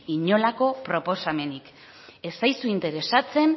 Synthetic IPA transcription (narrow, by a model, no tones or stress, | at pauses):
iɲo̞lako̞pɾo̞po̞same̞nik | e̞sajsuint̪e̞ɾe̞sat͡se̞n